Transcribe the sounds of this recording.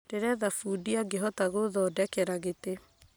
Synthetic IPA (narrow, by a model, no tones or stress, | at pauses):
d̥eɾɛðafuːdiaɡeɦɔtaɣoðɔːdɛkɛɾaɣete